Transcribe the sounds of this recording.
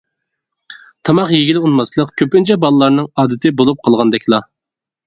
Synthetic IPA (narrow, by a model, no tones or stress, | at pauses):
t̪ʰɑmɑqjeɡʲilɪunmɑslˠəqkʲʰøpynt͡ʃʰɛbɑlˠɨlˠɑɾnɨŋɑːd̪ɪt̪ʰɪbolˠup̚qʰɑlˠʁɑnd̪ɛkʲlˠɑ